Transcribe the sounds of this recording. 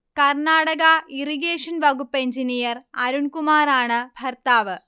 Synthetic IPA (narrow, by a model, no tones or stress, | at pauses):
kɐrɳaːɽɐɣɐiriɡeːʂɐnbɐɣupːe̞ɲd͡ʑinijɐrɐɾunkumaːraːɳɨbʱɐrt̪aːʋɨ